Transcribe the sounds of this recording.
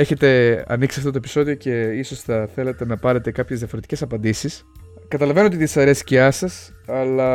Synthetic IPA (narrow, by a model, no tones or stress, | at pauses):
e̞çe̞t̪e̞ɐ̰niksiɐft̪ot̪oe̞piso̞ðio̞ce̞iso̞sθɐθe̞let̪e̞nɐpɐɾe̞t̪e̞kɐpçzðiɐfo̞ɾe̞t̪i̥ce̞sɐpɐnd̪isis | kɐt̪ɐlɐve̞noot̪iðisɐɾe̞si̥ceɐsɐs | ɐlɐ